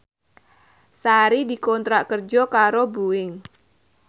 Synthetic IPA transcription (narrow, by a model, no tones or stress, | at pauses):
saɾidikɔnt̪ɾaʔkərd͡ʒɔkaɾobuɪŋ